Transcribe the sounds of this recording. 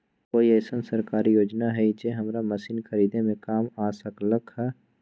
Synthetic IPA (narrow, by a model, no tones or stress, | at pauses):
koːiɛːsənsəɾkaːɾijoːd͡ʒnaɦɛid͡ʒeɦɐmɾamɐsiːnxʰɐɾiːd̪ẽmẽkaːmaːsəkləkʰɦɛ